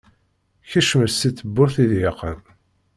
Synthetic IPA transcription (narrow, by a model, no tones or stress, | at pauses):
çæʃməsiθːəbːʊɾθiðjəqːəm